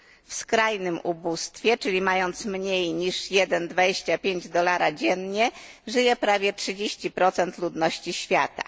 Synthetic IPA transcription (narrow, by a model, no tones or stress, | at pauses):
fskɾajnɘmubust̪fʲjɛt͡ʂɘlʲimajɔnt̪smɲejɲiʂjɛd̪ɛnd̪vad͡ʑeɕt͡ɕapʲjeɲd͡ʑd̪ɔlaɾad͡ʑɛnɲɛ | ʐɘjɛpɾavʲjɛtʂɘd͡ʑeɕt͡ɕipɾɔt̪sɛnt̪lud̪nɔɕt͡ɕiɕfʲjat̪a̰